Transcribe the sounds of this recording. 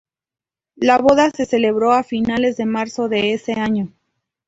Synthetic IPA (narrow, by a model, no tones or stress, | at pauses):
laβo̞ðase̞se̞le̞βɾo̞afinale̞zðe̞maɾso̞ðe̞ese̞aɲo̞